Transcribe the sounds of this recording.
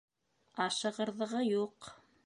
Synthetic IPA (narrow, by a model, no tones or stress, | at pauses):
ɑʃɤ̆ʁɤ̆ɾðɤ̆ʁɤjuq